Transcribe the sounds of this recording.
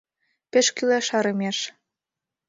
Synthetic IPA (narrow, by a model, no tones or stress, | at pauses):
pĕʃkyleʃɑɾɤ̆meʃ